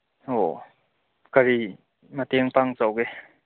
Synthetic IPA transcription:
o | kaɾi | mat̪iŋpaŋt͡sowkɡe

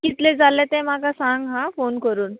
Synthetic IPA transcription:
kit̪led͡zʱalɛ̃t̪ɛ̃m̤akasãŋɡɦãfonkəɾuːn

